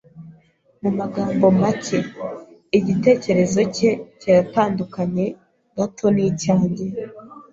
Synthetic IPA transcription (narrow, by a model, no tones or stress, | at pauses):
mumaɡaːmbo̞mace̞ | iɟite̞ːce̞ɾe̞zo̞ce̞caɾataːndukaɲe̞ | ɡ̥atʰo̞nicaːɲɟe